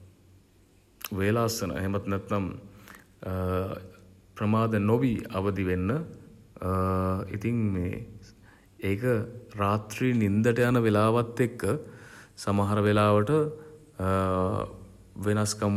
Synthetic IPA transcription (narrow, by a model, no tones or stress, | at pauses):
ʋeːlasːənə̰ḛɦemət̪nɛt̪ːam | pɾəmaːd̪ənobiɐ̰ʋəd̪iʋenːə | ḭt̪iŋmḛː | eːkəɾaːt̪ɾiːnind̪əʈəjanəʋelaːʋat̪ːekːəsamaɦaɾəʋelaːʋəʈə | ʋenaskam